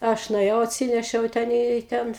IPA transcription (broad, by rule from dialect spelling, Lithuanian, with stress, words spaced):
ˈɐʃ nʊeːˈjɛʊ ɐtʲˈsʲɪnʲɛʃʲɛʊ ˈtʲɛn iː ˈtʲɛn